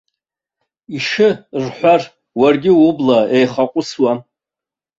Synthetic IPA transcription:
iʂɨrħʷar | warɡʲɪwʊblaejχaqʷʼʊswa

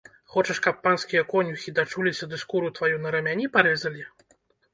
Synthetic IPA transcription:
xɔt͡ʂɐʂkɐpːanskʲijɐkɔnʲuxʲid̪at͡ʂulʲisʲɐd̪ɨskuɾut̪vajunɐɾɐmʲanʲipaɾɛzɐlʲi

